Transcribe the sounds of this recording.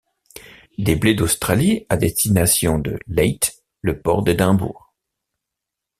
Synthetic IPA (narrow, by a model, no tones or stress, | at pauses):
d̪ebled̪ost̪χaliad̪est̪inasjɔ̃d̪ə̰lɛjt̪ | ləpɔʁd̪ed̪ɛ̃bṵːʁ